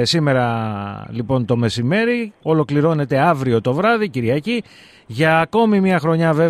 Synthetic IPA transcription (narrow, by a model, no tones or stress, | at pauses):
sime̞ɾɐlipo̞nt̪o̞me̞sime̞ɾio̞lo̞kliɾo̞ne̞t̪e̞ɐvɾio̞t̪o̞vɾɐðiciɾʝɐci | ʝɐːko̞mimɐxɾo̞ɲɐve̞